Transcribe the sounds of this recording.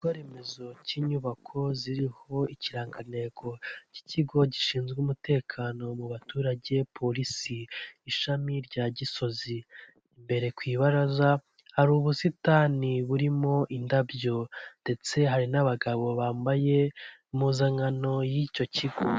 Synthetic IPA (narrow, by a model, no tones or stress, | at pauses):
ɡoɾe̞me̞zo̞ciːɲuβakʰo̞ziɾiho̞iciɾaːŋɡane̞ko̞ci̥ciɡo̞ɟiʃiːnzɡuːmute̞ːkʰaːno̞muβatuːɾaɟe̞pʰo̞ɾisiːʃamiɾɟaːɟiso̞zi | mbe̞ɾe̞kwiːβaɾaza | haɾuːβusitaniβuɾimo̞ʔindabjo̞nde̞t͡se̞ɦaɾinaβaɡaβo̞βaːmbaje̞muzaŋano̞jico̞ciɡo̰